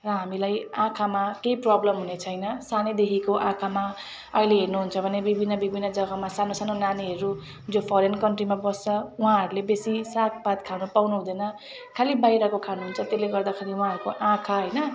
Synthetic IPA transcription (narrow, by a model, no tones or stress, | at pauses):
rʌɦamilajãkʰamakejprʌblʌmɦunet͡sʰʌjnʌsaned̪ekʰikoʔãkʰama | ʌileɦernuɦunt͡sʰʌbʱʌnebibʱinːʌbibʱinːʌd͡zʌɡʌmasanosanonaniɦʌɾu | d͡zopʰʌɾenkʌnʈrimabʌst͡sʌũɦãɦʌɾulebesisak̚ʰpat̪kʰanupawnuɦũd̪ʌnʌ | kʰalibajɾʌkokʰanuɦunt͡sʰʌt̪eleɡʌrd̪akʰeɾiw̃ɦãɦʌɾukoʔãkʰaɦʌjnʌ